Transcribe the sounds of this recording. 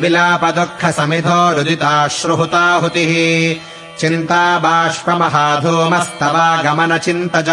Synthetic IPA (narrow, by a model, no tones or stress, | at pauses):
bilaːpɐd̪okʰːɐsɐmid̪ʱɔːɾud̪it̪aːʃɾuɦut̪aːɦut̪iɦi | t͡ʃint̪aːbaːʃpɐmɐɦaːd̪ʱumɐst̪ɐʋaːɡɐmɐnɐt͡ʃint̪ɐd͡ʒɐ